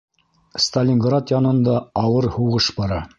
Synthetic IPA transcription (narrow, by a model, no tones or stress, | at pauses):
st̪ɐlʲiŋɡrat̪jɑnɤ̆nd̪ɑːwɤɾhuʁɤʃbɑɾɑ